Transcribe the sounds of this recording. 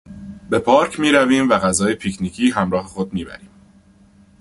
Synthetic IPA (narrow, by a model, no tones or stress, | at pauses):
be̞pʰɒːɾcʰmiːɾæviːmvæɣæzɒːjepʰicʰniːcʰiːɦæmɾɒːɦe̞xo̞d̪̚miːbæ̰ɾiːm